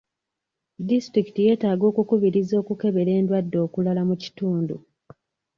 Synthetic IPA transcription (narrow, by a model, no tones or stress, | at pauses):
distɾiki̥tije̞ːtaːɡo̞ːkukuβiɾizo̞ːkuke̞βe̞ɾe̞ːndwadːo̞ːkulalamuci̥tuːndṵ